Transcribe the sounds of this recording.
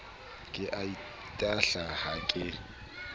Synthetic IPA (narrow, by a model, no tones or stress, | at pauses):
kʼɪʔai | tʼaɬahakʼɪ